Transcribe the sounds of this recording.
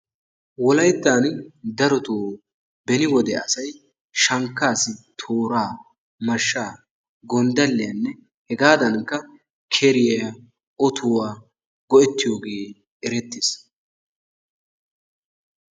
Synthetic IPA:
wɔlɐjt̪ːaːnd̪ɐɾɔt̪oː | bɛnɪwɔd̪ɛɐ̰sɐj | ʃɐŋkːaːsɪt̪ʰoːɾaː | mɐʃːaː | ɡɔnd̪ɐlːɪjɐnːɛ | hɛɡaːd̪ɐnkːɐ | kʰɛɾɪjɐ | ɔt̪ʰʊwaː | ɡɔʔɛt̪ːɪjo̞ːɡeː | ɛɾɛt̪ːɪs

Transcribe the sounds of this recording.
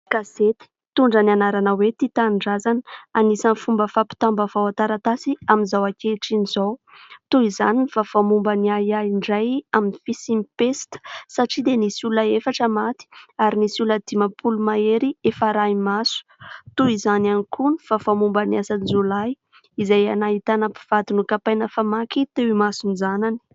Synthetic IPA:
kaset̪i̥ | t̪uɳɖ͡ʐanianaɾanəwet̪it̪aɳɖ͡ʐazanəanisanfumbəfapi̥t̪ambəvawat̪aɾat̪asiaminzawakeʈ͡ʂinizow | t̪uizaninifafamumbəniajaiɳɖ͡ʐajaminifisimipest̪ə̥saʈ͡ʂid̪enisuləefaʈ͡ʂəmat̪i̥aɾinisuləd̪̥imapʰulumaeɾiefaɾaimasu̥t̪uizananikʰunifafamumbəniasanizolaj | izajanait̪anəpi̥v̥at̪unukapajnəfamakit̪ewimasunizanani̥

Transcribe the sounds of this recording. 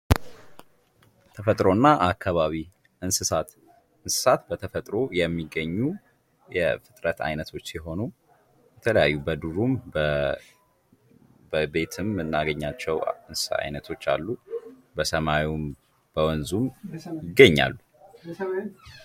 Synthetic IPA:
t̪ʰəfət̪ʼɾo̞nːaʔakʰːaβaβi | ɨnsɨsat̪ | ɨnsɨ̥sat̪bət̪ʰəfət̪ʼɾo̞jɛmːiɡːəɲːu | jɛ̰fɨt̪ʼɾət̪ʰa̰jnət̪ʰo̞t͡ʃːsɛɦo̞nu | jɛt̪ʰələja̰jːubəd̪uɾum | bəbe̞t̪ʰɨmːɨnːaɡəɲːat͡ʃːɛwɨnsɨ̥sa̰a̰jnət̪ʰo̞t͡ʃːa̰lːu | bəsəmawum | b̥əwɔnzumjɪɡːəɲːa̰lːu

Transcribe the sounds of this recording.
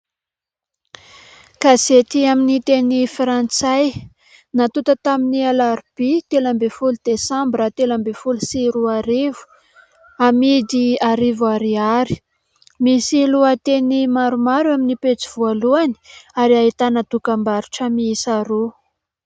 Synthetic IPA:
kazet̪iaminit̪enifɾant͡saj | nat̪ut̪ət̪aminialaɾb̥it̪elambefulud̪esãmbɾət̪elambefulusiɾuaɾivu̥ | amid̪iaɾivuaɾiaɾi̥ | misiluat̪enimaɾumaɾaminipet͡siv̥ualuani̥aɾiaɦit̪anad̪ukambaɾu̥ʈ͡ʂəmiisaɾu

